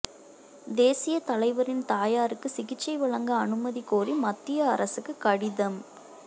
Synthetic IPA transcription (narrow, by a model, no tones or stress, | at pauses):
d̪eːsɪjɐt̪ɐlɐɪʋɐɾɪnt̪aːjaːɾɯkːɯsɪɣɪt͡ʃːɐɪʋɐɭɐŋɡɐːnɯmɐðikoːrimɐt̪ːɪjɐɐɾɐsɯkːɯkɐɽɪðɐm